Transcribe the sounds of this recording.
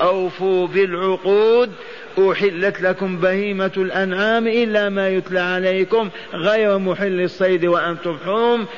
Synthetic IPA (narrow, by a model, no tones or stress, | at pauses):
ʔawfubɪlʕʊquːd̪ | ʔʊħɪlːat̪lakʊmbahiːmalʔanʕaːmʔɪlːamajʊt̪laʕʕalejkʊm | ɣajɾˤmʊħɪlːɨsˤːɑjd̪waʔant̪ʊmħuːm